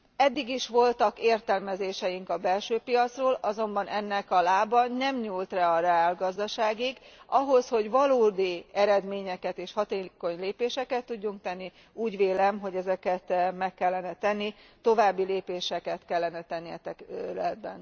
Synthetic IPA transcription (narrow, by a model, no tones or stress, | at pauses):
ɛd̪ːiɡiʃʋo̞lt̪ɒkeːrt̪ɛlmɛzeːʃɛjiŋkɒbɛlʃøːpijɒt̪sroːlɒzo̞mbɒnʔɛnːɛkɒlaːbɒnɛmɲuːlt̪rɛɒɾaːlɡɒzd̪ɒʃaːɡiɡɒɦo̞sho̞ɟʋɒloːd̪iɛɾɛd̪meːɲɛkɛt̪eːʃhɒt̪eːko̞ɲleːpeːʃɛkɛt̪ːuɟːuŋk̚t̪ɛnːi | uːɟʋeːlɛmɦo̞ɟɛzɛkɛt̪mɛkːɛlːɛnɛt̪ɛnːit̪o̞vaːbːileːpeːʃɛkɛt̪kɛlːɛnɛt̪ɛnːiɛt̪ɛkøɾɛd̪̚bɛ̰n